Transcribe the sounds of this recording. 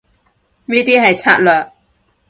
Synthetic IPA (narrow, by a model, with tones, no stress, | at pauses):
niː˥t̪iː˥ɦɐ˨jt͡sʰa̰ː˥t̚lœː˨˩k̚